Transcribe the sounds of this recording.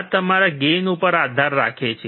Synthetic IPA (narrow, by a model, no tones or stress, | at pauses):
t̪əmaɾaɡenupəɾad̪ʱaɾːa̰kʰet͡ʃʰe